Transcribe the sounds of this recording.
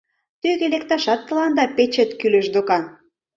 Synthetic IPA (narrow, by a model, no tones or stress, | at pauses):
t̪yɣelekt̪ɑʃɑt̪ːə̆lɑnd̪ɑpet͡ɕĕt̪kylə̆ʃd̪okɑn